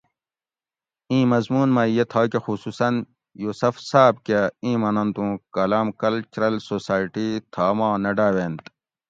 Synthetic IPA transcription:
ĩːmɐzmuːnmaːjet̪ʰaːkexusuːsɐn | juːsɐfsaːb̚keĩːmɐnɐ̃nt̪ũːkɐlaːmkɐlt͡ɕɾɐlsoːsaːiʈiːt̪ʰaːmãːnɐɖaːʋeːnt̪

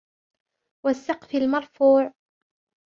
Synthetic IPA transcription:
wasːɑqfalmɑɾˤfuːʕ

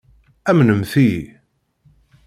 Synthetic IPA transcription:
æmnəmθi

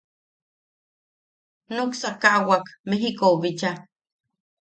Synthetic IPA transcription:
nuksakawakmeɦikoβit͡ʃa

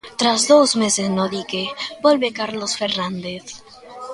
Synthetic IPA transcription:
t̪ɾazðozmesesnoðikebolβekaɾlosfeɾnãnd̪eθ

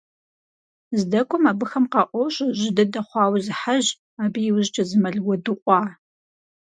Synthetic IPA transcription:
zdɐkʷʼɔmaːbɨxɐmqɑʔʷɔɕʼʑɪdɐdɐχʷɑːwzɨħaʑ | aːbijɪwʊʑt͡ʃʰʼɐzɨmɐɮwɔdɨqʷʼɑː

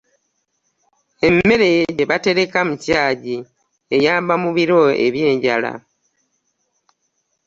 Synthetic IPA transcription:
e̞mːe̞ɾe̞ɟeβate̞ɾe̞kamucaːɟi | ejaːmbamuβiɾo̞ḛβje̞ːɲɟala̰

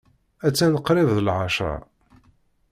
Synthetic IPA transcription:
æt͡sːænəqɾɪvðəlʕaʃa̰

